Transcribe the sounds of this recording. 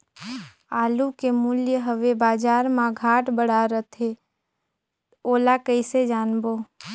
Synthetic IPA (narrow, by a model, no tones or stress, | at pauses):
aːlukemuljəɦəʋebaːd͡ʒaːɾmãɡʱaːʈbəɽ̤aɾət̪ʰɦe | oːlakəised͡ʒaːnboː